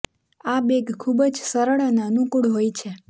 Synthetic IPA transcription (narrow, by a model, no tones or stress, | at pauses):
abeɡkʰːubəd͡ʒsəɾəɭananukuɽɦojt͡ʃʰe